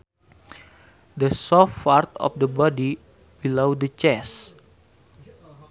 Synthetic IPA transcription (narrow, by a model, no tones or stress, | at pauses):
dəsɔffart̪ɔ̰fdəbɔdi | b̥ilowdət͡ʃɛs